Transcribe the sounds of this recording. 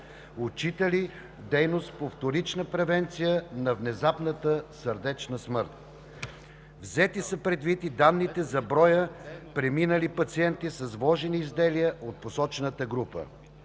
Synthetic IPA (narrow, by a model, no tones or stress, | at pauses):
ot͡ʃit̪əli | d̪ɛjnost̪̚poft̪oɾit͡ʃnəpɾɛvɛnt̪sijənɐvnɛzapnət̪əsəɾd̪ɛt͡ʃnəsmɤɾt̪̚ | vzɛt̪isəpɾɛd̪vit̪id̪anːit̪ɛzɐbɾɔjəpɾɛminəlipɐt̪siɛnt̪isɐzvlˠɔʒɛniːzd̪ɛlijəʔot̪̚posɔt͡ʃɛnət̪əɡɾupə̰